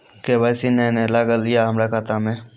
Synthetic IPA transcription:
kebaːjsinẽːnelaːɡəlːɪjaːɦəmɾaːkat̪aːmẽː

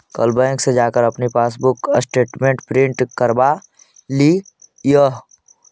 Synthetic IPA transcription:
kə̰lbãŋksed͡ʒaːkəɾəpnipaːsbʊkəsʈeːʈmẽɳʈpɾɪ̃ɳʈkəɾba | li | jəɦ

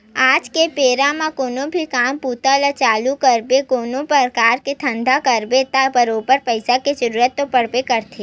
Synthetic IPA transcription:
ad͡ʒkepeɾamãkoːnobʱikamput̪alat͡ʃalukəɾbekonopəɾkaɾket̪ʰə̃nd̪ʱakəɾbet̪apəɾopəɾpəjsaked͡ʒəɾuɾət̪ːopəɽpekəɾt̪ʰe

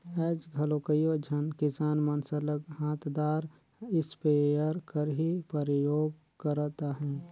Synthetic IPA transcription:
ɛːd͡ʒɡʱəlokəjod͡ʒʱənkɪsaːnmənsələkɦaːt̪ʰd̪aːɾ | ɪspejəɾkəɾɦipəɾɪjoːɡ | kəɾt̪aɦɛ̃ː

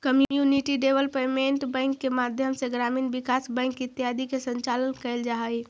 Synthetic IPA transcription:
kəmjjuniʈiɖeʋəlpemeɳʈbə̃ŋkːemad̪ʱjəmseɡɾamiːnbikasbə̃ŋkit̪jad̪ikesəɲt͡ʃalənkəɪld͡ʒaɦəj

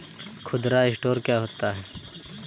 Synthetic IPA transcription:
kʰʊd̪ɾaɪsʈoːɾkjaɦoːt̪aɦɛː

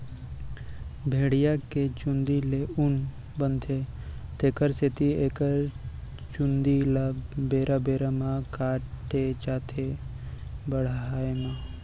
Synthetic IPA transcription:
bʱeːɽijaket͡ʃʊnd̪ileun | bənt̪ʰe | t̪eːkəɾset̪ieːkəɾ | t͡ʃʊnd̪ilabeːɾʔabeːɾamãkaːʈet͡ʃaːt̪ʰe | bəɽ̤aːemã

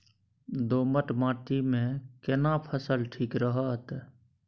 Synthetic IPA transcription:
d̪oːməʈmãːʈimẽkənapʰəsəlʈʰiːkɾəɦat̪

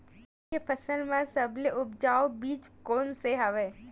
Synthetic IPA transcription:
epʰɐsəlmãsɐbleʔʊpd͡ʒaːobiːt͡ʃkoːnseɦɐʋeː

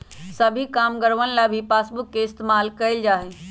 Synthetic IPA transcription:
səbʱikaːmɡəɾʋənlabʱipaːsbʊkːeɪst̪emaːlkəɪld͡ʒaːɦe

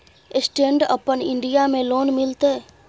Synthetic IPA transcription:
ɪsʈẽːɳɖəpənɪɳɖijamẽloːnmɪlt̪eː

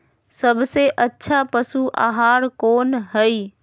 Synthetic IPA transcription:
səbseʔətːʃʰapəsuʔa̰ːɦaːɾkoːnɦəi

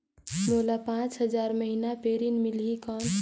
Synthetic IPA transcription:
molapãt͡ʃɦəd͡ʒaɾməɦinapeɾinmilɦikən

